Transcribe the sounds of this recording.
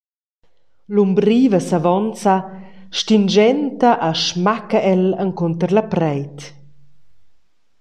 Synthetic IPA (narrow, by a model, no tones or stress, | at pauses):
lumbɾiːvəsavɔnt͡saʃtind͡ʒɛnt̪aʔaʃmakaʔɛləŋkɔnt̪əɾlapɾɛjt̪